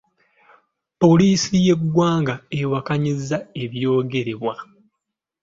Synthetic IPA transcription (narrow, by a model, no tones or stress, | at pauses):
po̞liːsije̞ɡwaːŋɡaewakaɲizːae̞βjo̞ːɡe̞ɾe̞βwa